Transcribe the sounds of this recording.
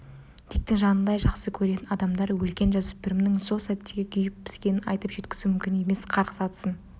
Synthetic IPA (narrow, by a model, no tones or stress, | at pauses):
t̪ʰe̞k̚t̪ɪŋʒɑnənd̪ɑjʒɑqsəkʲʰɵɾe̞t̪ɪnɑd̪ɑmd̪ɑɾwɵlkʲe̞nʒɑzɪbɪɾɪmnɪŋso̞lˠsæt̪ːe̞ɡʲɪkʲʰʏjɪp̚pɪ̥skʲe̞nɪnɑ̰jt̪əpʒ̥e̞t̪kʲɪ̥zumʏmkʲɪne̞me̞sqʰɑɾqə̥sɑt̪ə̥sən